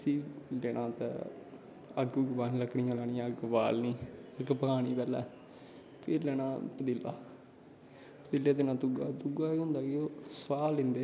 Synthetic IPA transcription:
siːlɛːɽ̃ʔãːt̪ɛ̰̃ː | əɡɡbaːnləkɽiːãːlaːɽiːãəɡba̰ːlnĩːəɡpəkʰaːɽ̃iːpɛːlɛ̰ː | pʰɪɾlɛːɽ̃ãːpət̪iːlːa̰ː | pət̪iːlːeːd̪ɪnãːt̪uɡaːt̪uɡaːeɦʊ̃nd̪aːkeoːswaːlɪ̃nd̪eː

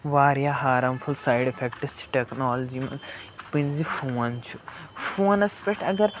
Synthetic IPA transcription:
ʋaːɾjaːɦaːɾɐmpʰulsaːjɖepʰekʈist͡ʃʰi̥ʈeknoːlɐd͡ʒimɐnpɨnzifʰoːnt͡ʃʰu̥fʰoːnɐspeʈɐɡɐɾ

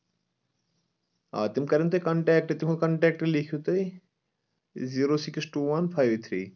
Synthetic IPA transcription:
a̰ːt̪imkɐɾint̪ɐkɐɳʈɛːk̚ʈt̪imkɐɳʈɛːk̚ʈlikʰjut̪ɐi | ziːɾoːsiksʈuːʋɐnfʰaːjʋt̪ʰɾiː

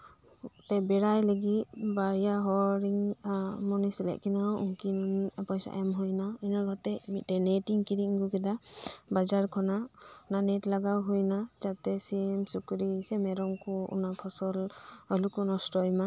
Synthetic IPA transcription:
t̪ɛbɛɾajləɡit̪̚baɾjaɦɔɾiŋmɔnisɛlɛ̰ʔkinaʔuŋkinpɔjsa̰ʔjamɦujnainaɡɔt̪ɛmitɛnɛʈiŋkiɾiŋɡukɛd̪abad͡ʒaɾkʰɔnananɛtlaɡawɦujnatat̪ɛsiɛmsukuɾisɛmɛɾɔŋkɔṵnapʰɔsɔlɔlukɔnɔsʈɔjma

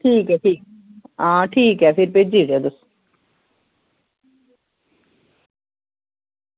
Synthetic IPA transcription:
ʈʰiːkɛʈʰiːk | aːʈʰiːkɛfʰiɾped͡ʑiːʈed̪us

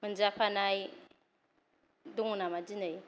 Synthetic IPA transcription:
mɯnd͡ʒapʰanaj | duŋunamad͡ʒinɯj

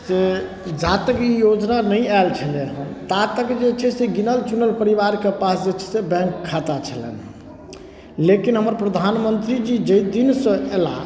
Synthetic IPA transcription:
se | d͡ʒat̪əkijod͡ʒnanəialt͡ʃʰəleɦənt̪at̪əkd͡ʒet͡ʃʰɛseɡinəlt͡ʃunəlpəɾibaɾkepasd͡ʒet͡ʃʰɛ̥sebɛ̃ŋkʰːat̪at͡ʃʰəlɛ̰n | lekinɦəməɾpɾəd̪ʱanmənt̪ɾid͡ʒid͡ʒəjd̪insə̃ela̰

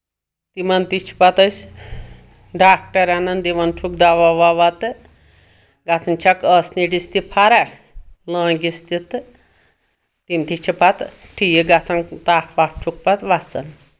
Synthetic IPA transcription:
t̪imɐnt̪it͡ʃʰi̥pat̪əsʲ | ɖaːk̚ʈɐɾanɐnd̪iʋɐnt͡ʃʰukd̪aʋaʋaʋat̪ɨ | ɡat͡sʰɐnt͡ʃʰakəsniʈist̪ipʰaɾaʈʰ | lə̃ːɡist̪it̪ɨ | t̪imt̪it͡ʃʰipat̪ʈʰijiɡat͡sʰant̪ahpap̚t͡ʃʰuk̚pat̪ʋat͡sɐ̰n

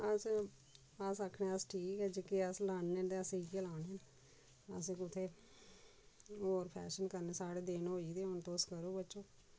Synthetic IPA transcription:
əs | əsəkʰːɳẽːəsʈʰiːkɛːd͡ʒekiəslaːɳːend̪eəsẽiːkelaːnen | ə̰sẽːkʊt̪ʰːeː | oːɾpʰɛ̰ːʃənkəɾneːsaːɽeːd̪eːnɦoːiːd̪eːʊnt̪oːskəɾoːbət͡ʃːoː

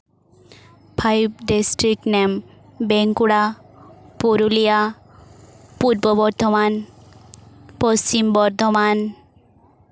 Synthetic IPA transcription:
pʰajb̚disʈɾik̚nem | beŋkuɽa | poɾulija | puɾbɔbɔɾd̪ʱɔman | pɔst͡ɕimbɔɾd̪ʱɔman

